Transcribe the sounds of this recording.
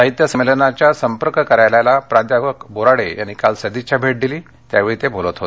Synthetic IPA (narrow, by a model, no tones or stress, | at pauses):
saɦit̪jəsəmelənat͡ɕjasəmpəɾkkəɾajlajlapɾad̪jaəkboɾaɽeja̰ñikalsəd̪it͡ɕjabʱeʈ̚d̪iliː | t̪jaʋeɭit̪ebʱolət̪ɦot̪e̥